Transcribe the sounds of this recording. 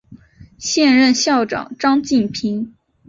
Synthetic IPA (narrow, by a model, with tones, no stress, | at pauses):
ɕjɛ˥˧nɻə˥˧nɕjɑ˥˩ʊʈ͡ʂɑ̰˨˩˦ŋʈ͡ʂɑ˥ŋt͡ɕi˥˩npʰi˧˥ŋ